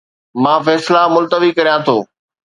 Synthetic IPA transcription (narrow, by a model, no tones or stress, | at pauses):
mãːfɛːslamʊlt̪əʋikɐɾijãt̪ʰoː